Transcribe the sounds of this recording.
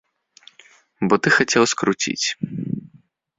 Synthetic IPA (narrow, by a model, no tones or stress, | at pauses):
bɔt̪ɨxat͡sʲɛwskɾut͡sʲḭt͡sʲ